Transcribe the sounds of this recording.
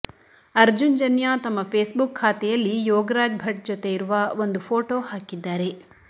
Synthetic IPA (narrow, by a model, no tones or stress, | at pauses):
ɐɾd͡ʒund͡ʒɐnjaːt̪ɐmːɐpʰeːsbukʰːaːt̪ɛjɐlːijoːɡɾaːɡ̚bʱɐʈ̚d͡ʒot̪eiɾuʋɐo̞nd̪upʰoːʈoːhaːkid̪ːaːɾe̞